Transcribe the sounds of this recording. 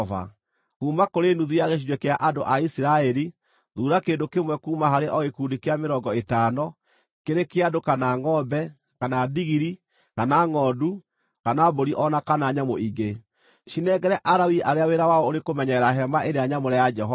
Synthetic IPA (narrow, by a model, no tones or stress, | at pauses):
va̰ | kuːmakoɾenuðuaɣeɕ̬iɾwɛkeaʔadoʔaisiɾaɛɾi | ðuːɾakeːndokemwɛkuːmaɦaɾeʔɔɣekuːdikeameɾɔɡɔetanɔ | keɾekeadokanaŋɔbɛ | kanadiɣiɾi | kanaŋɔdu | kanaboɾiʔɔnakanaɲamoiɡe | ʃinɛɡɛɾɛʔaɾawiʔaɾeaweɾawaɔoɾekomɛɲɛɾaɦɛmaʔeɾeaɲamoɾɛjad͡ʒɛɦɔ